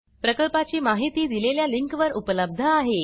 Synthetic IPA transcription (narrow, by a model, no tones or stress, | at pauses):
pɾəkəlpat͡ɕiːmaɦit̪iːd̪ileljaliŋkʋəɾupələb̚d̪ʱəaɦe